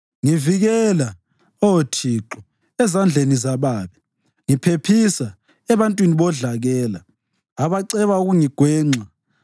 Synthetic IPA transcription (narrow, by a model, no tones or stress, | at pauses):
ŋiviɣɛla | ɔwotʰiːǁɔ | ɛzand͡ɮʱenizaβaːβi | ŋipʰepʰisa | ɛβantʼwiniβɔɮaɣɛːlaː | βaǀɛβauɣuŋiɡ̥ʱwɛːŋ͡ǀʱa